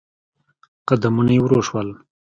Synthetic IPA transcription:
qad̪amunaewɾoʃwal

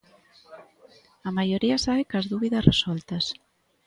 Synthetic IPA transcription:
ɐmajoɾiɐsaβekɐzðuβiðɐsresɔlt̪ɐs

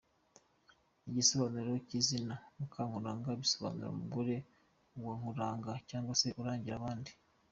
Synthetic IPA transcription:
iɟiso̞βanuɾowicizinamukʰaːŋ̥uɾaːŋɡaβiso̞βa̰nṵɾa̰muɡo̞ɾe̞ | uwaŋ̥uɾaːŋɡacaːŋɡwase̞ʔuɾaːɲɟiɾaβaːndi

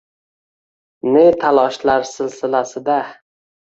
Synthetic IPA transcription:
net̪ʰalˠɒʃlaɾsɪlsɪlasɪd̪a

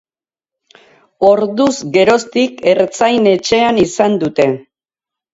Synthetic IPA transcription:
o̞ɾðuzɡe̞ɾo̞st̪ike̞ɾt͡sajne̞t͡ʃe̞anisand̪ut̪e̞

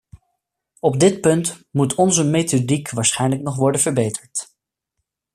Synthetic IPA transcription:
ɔbdɪt̚pɵntmutʰɔnzəmejtodikʋaːɹsχɛjnləknɔχʋɔɹdənvəɹbejtəɹt

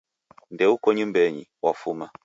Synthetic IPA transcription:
n̩dɛukoɲim̩bɛɲiwɔfuma

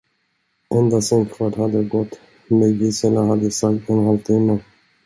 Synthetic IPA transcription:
ʔɛnd̪asɛŋkʰfaɖhad̪ːəɡɔt̪ː | mɛvɪsɛlaɦad̪əsakt̪ɛnhalt̪ʰɪmːə

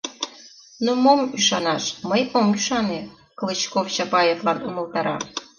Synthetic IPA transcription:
numomyʃɑnɑʃməjmomyʃɑne | kɤlɨt͡ɕkoft͡ɕɑpɑjeflɑnumə̆lˠt̪ɑɾɑ

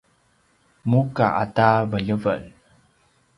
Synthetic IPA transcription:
mukaʔa̰tabəjəvə̰l

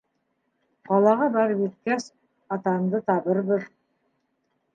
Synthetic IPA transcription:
qɑlˠɑʁɑbɑɾbet̪̚kʲæs | ɑt̪ɑɴd̪ət̪ʰɑbɪɾbɪɾ

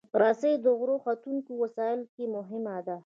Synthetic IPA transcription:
ɾased̪ʊɣɾoxat̪unkuwasaɪlkemʊɦɪmaːd̪a

